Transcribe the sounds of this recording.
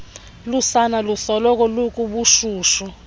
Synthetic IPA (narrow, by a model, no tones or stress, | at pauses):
lusanalusɔlɔk̬ʼɔlukʼuɓuʃuːʃɔ